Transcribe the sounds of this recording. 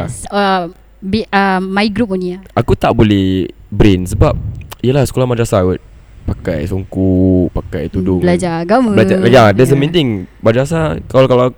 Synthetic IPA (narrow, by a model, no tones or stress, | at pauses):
ə | biəmaiɡɾup̚uniaakut̪aʔbolɛhbɾɛnsəbap̚iəlahsə̥kolahmad͡ʒasawut̪̚ | paka̰jsɔŋkupakajt̪udʊbəlad͡ʒaɡambəlad͡ʒaadɛs̬əmĩnt̪ɪŋmad͡ʒas̬akakala